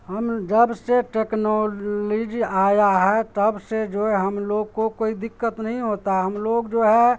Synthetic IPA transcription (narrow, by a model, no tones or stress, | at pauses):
ɦəmd͡ʒəbseʈeknɔlid͡ʒiajaɦɛt̪əbsed͡ʒoeɦəmloɡ̚kokoːid̪ɪkːət̪nəɦĩɦoːt̪aɦɛɦəmloːɡd͡ʒoːɦɛ̃